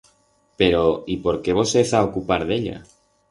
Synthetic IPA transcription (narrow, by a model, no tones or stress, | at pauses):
pe̞ɾo̞ipo̞ɾke̞β̞o̞seθaokupaɾðe̞ʎa̰